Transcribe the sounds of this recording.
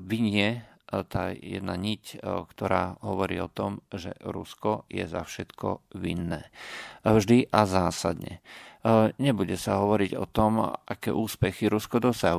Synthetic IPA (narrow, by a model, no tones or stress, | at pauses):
ʋiɲɪɛ | t̪aːjɛ̰d̪naɲickt̪ɔɾaːɦɔʋɔɾḭːɔt̪ɔmʒɛ̰ɾṵskɔjɛ̰za̰fʃɛt̪kɔ̰ʋḭnːɛːvʒd̪iʔazaːsa̰d̪ɲɛ̰ | ɲɛbuɟɛsaɦɔʋɔɾiɟɔ̰t̪ɔmakɛ̰ːʔuːspɛxiɾuskɔd̪ɔsaɦu